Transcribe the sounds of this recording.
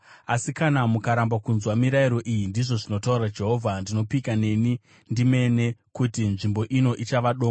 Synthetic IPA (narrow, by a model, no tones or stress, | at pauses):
asikanamukaɾambakunzwamiɾaiɾo̞ʔijindiʐo̞ʐino̞tauɾad͡ʒe̞ɦo̞ːvʱandino̞pikane̞ni | ndime̞ne̞kutinʐimbo̞ʔino̞ʔit͡ʃaʋaɗoːa